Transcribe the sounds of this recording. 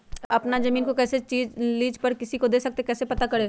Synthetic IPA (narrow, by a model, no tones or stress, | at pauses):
ɐpnazɐmĩːnkokɛːset͡ʃiːd͡ʒliːd͡ʒpɐɾkɪsikod̪eːsɐk̚t̪ekɛːsepɐt̪akɐɽeː